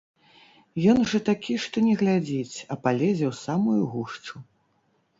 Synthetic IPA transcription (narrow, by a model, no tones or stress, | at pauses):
jɔnʐɐt̪akʲiʂt̪ɔnʲɛɣlʲad͡zʲit͡sʲɐpalʲɛd͡zʲɛwsamujuɣuʂt͡ʂu